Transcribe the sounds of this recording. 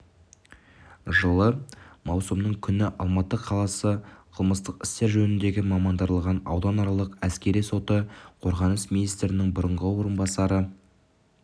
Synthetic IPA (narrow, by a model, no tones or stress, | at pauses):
ʒəlˠəmɑwsəmnəɴkʲʰʏnɪʔɑlˠmɑt̪əqʰɑlˠɑsəqʰəlˠməst̪əqɪ̥st̪e̞ɾʒɵnɪnd̪e̞ɡʲɪmɑmɑnd̪ɑɾlˠʁɑnɑ̰wd̪ɑnɑɾɑlˠəqæskʲe̞ɾijso̞t̪əqʰo̞ɾʁɑnəsminijst̪ɾɪnɪŋbʊɾəɴʁəwo̞ɾənbɑsɑɾə